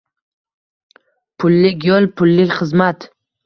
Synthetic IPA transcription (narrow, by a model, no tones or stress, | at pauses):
pʰʊlːɪkʲjɔlˠpʰʊlːɪkʲχɨzmat̪